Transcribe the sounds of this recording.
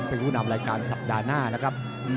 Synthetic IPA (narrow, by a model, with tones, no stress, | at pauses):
pe˧nɾuː˦˥˩na˧mɾaː˧jkaː˧nsa˨˩p̚daː˧naː˥˩na˦˥kʰɾa˦˥p̚